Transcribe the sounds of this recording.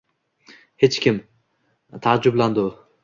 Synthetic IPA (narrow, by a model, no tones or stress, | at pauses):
het͡ʃkʲʰim | t̪ʰaːd͡ʒʊblˠand̪ʊ